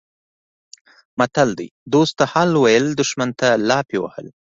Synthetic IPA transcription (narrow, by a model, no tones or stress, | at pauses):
mat̪ald̪ḭjd̪ost̪ːahɑlwajəld̪ʊʃmant̪alɑpewa̰hə̰l